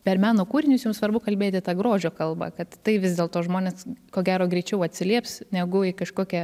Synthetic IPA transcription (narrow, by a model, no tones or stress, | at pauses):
pʲɛrmʲæːnoːkuːɾʲɪnʲʊsjʊmsʋɐɾbʊkɐlʲbʲeːt̪ʲɪt̪ɑɡɾoːʒʲoːkɐlˠbɐ̰kɐt̪t̪ɐɪʋʲɪzʲd̪ʲeːlˠt̪oːʒmoːnʲeːskoːɡʲæːɾoːɡɾʲɛɪt͡ʃʲɛʊɐt̪ʲsʲɪlʲiɛpsnʲɛɡʊɪkɐʃkoːkʲɛ